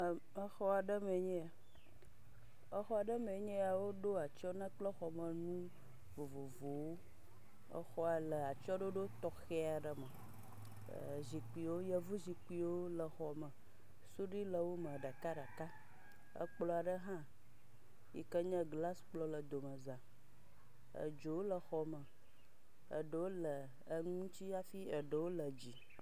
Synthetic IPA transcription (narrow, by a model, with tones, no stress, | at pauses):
ə˦xɔ˦a˨ɖə˦mẽ˨ɲɛ̃˦a˨ | ə˦xɔ˦a˨ɖə˦mẽ˨ɲɛ̃˦a˨wo˦ɖo˦a˨t͡ʃɔ˦nã˦k͡plə˦xɔ˨mə˨nũ˦ | vo˨vo˨vo˨wo˦ | ə̰˦xɔ˦a˨lə˨a˨t͡ʃɔ˦ɖo˦ɖo˦t̪ɔ˨xe˦a˨ɖə˨mə̰˨ | zi˨k͡pi˨wo˦jə˦˨vu˦zi˨k͡pi˨wo˦lə˨xɔ˨mə̃˨ | su˦ɖi˦lə˨wo˦mə̃˨ɖa˨ka˦ɖa˨ka˦ | ə̰˦k͡plɔ˨˦a˨ɖə˦ɦã˦ | jḭ˨kə˦ɲə̃˦ɡla˦sk͡plɔ˦lə˨d̪o˨mə˨zã˨ | ə̰˨d͡ʒo˨wo˦lə˨xɔ˨mə˨ | ə̰˨ɖə˨˦wo˦lə˨ | ə˦ŋũ˦t͡ɕi˦a˦fi˦ə˨ɖə˨wo˦lə˨d͡ʑi˨